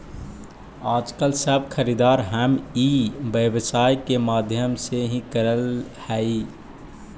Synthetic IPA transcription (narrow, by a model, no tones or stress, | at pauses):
aːd͡ʒkəlsəb̚kʰəɾiːd̪aːɾɦɛmiʋjəbsaːjkemaːd̪ʱjəmseɦĩkəɾəlhɛːi